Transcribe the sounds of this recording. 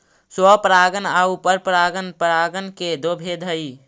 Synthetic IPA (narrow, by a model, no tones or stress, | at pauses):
swəpɾaːɡənaːupəɾpɾaːɡənpɾaːɡənked̪obʱed̪ʱəi